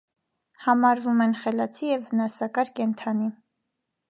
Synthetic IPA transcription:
hɑmɑɾvumɛnχɛlɑt͡sʰijɛvːənɑsɑkɑɾkɛnt̪ʰɑni

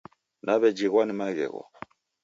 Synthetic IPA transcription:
nʔaβɛd͡ʒiɣwanimaɣɛ̰ɣɔ̰

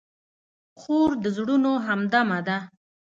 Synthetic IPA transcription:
xoɾd̪əzɽunoɦamd̪amad̪a

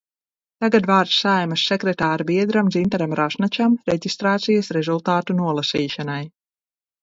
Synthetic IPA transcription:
t̪aɡad̪vaːɾt̪sːajmasːɛkɾɛt̪aːɾbiɛd̪ɾamd̪zint̪aɾamɾaʃnat͡ʃamɾeɟʲist̪ɾaːt̪sijasɾɛzulˠt̪aːt̪unuɔlˠasiːʃanaj

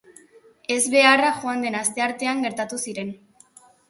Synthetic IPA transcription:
e̞zβe̞araxoand̪e̞nast̪e̞aɾt̪e̞aŋɡe̞ɾt̪at̪usiɾe̞n

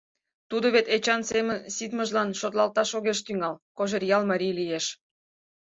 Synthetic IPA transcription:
t̪ud̪oβet̪et͡ɕɑnsemənsit̪məʒlɑnʃot̪lɑlt̪ɑʃoɣeʃt̪yŋɑlkoʒerjɑlmɑɾʲijlijeʃ

